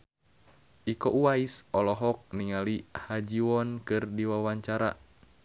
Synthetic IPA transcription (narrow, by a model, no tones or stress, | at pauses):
ʔikɔʔuaisɔlɔɦɔk̚niŋalihad͡ʒiwɔnkɨrdiwawaɲt͡ʃaɾa̰